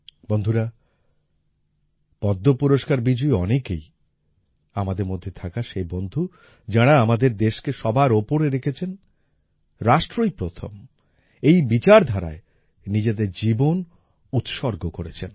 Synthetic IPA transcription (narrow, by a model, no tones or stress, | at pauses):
bond̪ʱuɾa | b̥ɔd̪ːopuɾoʃkaɾbid͡ʑujɔ̰nekej | amad̪eɾmod̪ʱːet̪ʰakaʃebond̪ʱu | d͡ʑaɽ̃aamad̪eɾd̪eʃkeʃɔbaɾopoɾeɾekʰet͡ɕʰen | ɾaʃʈɾojpɾot̪ʰo̰m | ejbit͡ɕaɾd̪ʱaɾa̰e | nid͡ʑed̪eɾd͡ʑibon | ut̪ʃɔɾɡokoɾet͡ɕʰen